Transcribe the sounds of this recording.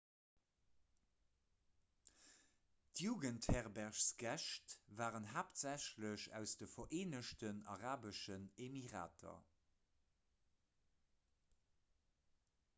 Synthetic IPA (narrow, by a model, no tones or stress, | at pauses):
tʰjuːɡənthɛʁbæʁʃsɡ̥æʃtvaːʁənɦaːptz̥æɕləɕæ̰ʊsd̥əfɐʔeːnəʃtənɑ̰ʁaːbəʃənemiʁa̰ːtʰɐ̰